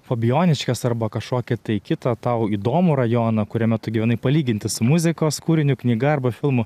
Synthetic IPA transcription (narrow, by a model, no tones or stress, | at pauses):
foːbʲɪjoːnʲɪʃʲkʲɛsɐɾbɐkɐʃkoːkʲɪt̪ɐɪkʲɪt̪ɐt̪ɐʊiːd̪oːmuɾɐjoːnɐkʊɾʲɛmʲɛt̪ʊɡʲɪʋʲɛnɐɪpɐlʲiːɡʲɪnʲt̪ʲɪsʊmʊzʲɪkoːskuːɾʲɪnʲʊknʲiːɡɐɐrbɐfʲɪlˠmʊ